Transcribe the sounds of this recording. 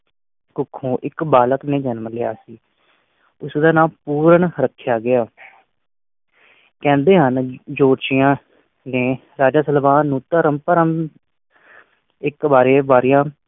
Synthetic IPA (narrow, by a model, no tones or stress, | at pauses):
kʊkʰːõːʔɪkbaːləknẽːd͡ʒɛnməlɪa̰ːsiː | ʊsd̪aːnaːpuːɾəɳɾəkʰːjaːɡɪjaː | kɛ̃ːnd̪eːɦənd͡ʒoːɾt͡ʃɪjãː | neː | ɾaːd͡ʒaːsəlbaːnũːt̪əɾəmpəɾəm | ɪkbaːɾeːbaːɾɪjãː